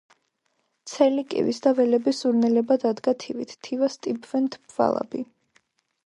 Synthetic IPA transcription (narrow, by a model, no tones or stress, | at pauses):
t̪sʰɛlikʼḭvisd̪avɛlɛbiszuɾnɛlɛbad̪ad̪ɡat̪ʰivit̪ʰt̪ʰːivast̪ʼibvɛnt̪ʰbva̰lˠa̰bi